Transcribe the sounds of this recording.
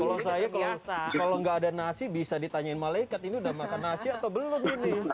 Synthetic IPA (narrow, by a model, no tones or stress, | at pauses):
kalosajakalakaloŋɡaːdanasibisadit̪aɲaɪnmalaikat̪iniudahmakanːasiat̪awbəlʊmini